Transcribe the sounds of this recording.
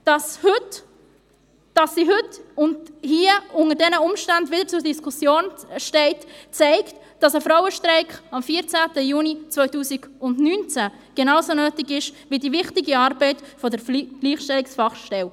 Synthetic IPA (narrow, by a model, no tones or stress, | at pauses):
d̥ɑshʏt | d̥ɑsːiɦʏtʊndhiːəʊŋədɛnəʊmʃtændvɪdəɾt͡sʊɾdiskʰʊsjoːnʃtɛɪtt͡sɛɪkt | d̥ɑsəfɾɔʊəʃtrɛɪkχɑmfiːəɾt͡sæːtəjuːnit͡sʋœʏtuːsiɡ̥ʊndnyːnt͡sæ | ɡ̥enɑʊsonœːtɪɡɪʃʋidivɪχtiɡiɑːɾbɛɪtfɔdəɾɡ̥liːχʃtɛliksfɑχʃtɛw